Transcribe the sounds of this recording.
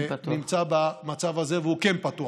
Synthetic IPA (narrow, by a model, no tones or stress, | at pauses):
nimt͡sabamat͡savazeveukenpat̪u